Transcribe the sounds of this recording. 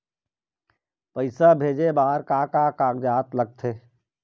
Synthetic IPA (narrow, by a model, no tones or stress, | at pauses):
pəɪsabʱeːd͡ʒebaːɾkaːkaːkaːkd͡ʒaːt̪lɐɡ̚t̪ʰeː